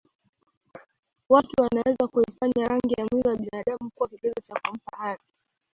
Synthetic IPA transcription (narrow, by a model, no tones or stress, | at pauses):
watuwanawɛzakuifaɲaɾaŋɡijamwiɔwaɓinaɗamukuwakiɓiɡɔt͡ʃakum̩pahaɾi